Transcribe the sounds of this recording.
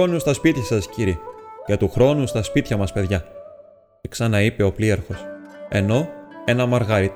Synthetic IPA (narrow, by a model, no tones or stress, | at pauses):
o̞nust̪ɐspit̪çɐsɐsciɾicet̪uxɾo̞nust̪ɐspit̪çɐmɐspe̞ðʝɐ | ksɐnɐipe̞o̞plieɾfo̞se̞no̞e̞nɐmɐɾɣɐɾi